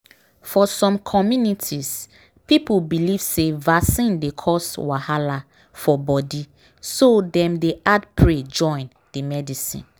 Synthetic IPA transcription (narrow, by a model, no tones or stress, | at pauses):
fɔsɔ̃mkʰɔmjunitʰis | pipulbiliv̥sevasĩndekʰɔswahala | fɔbɔdi | sodɛ̃mdeʔadpʰɹed͡ʒɔ̃ɪ̃n | dəmɛdisḭ̃n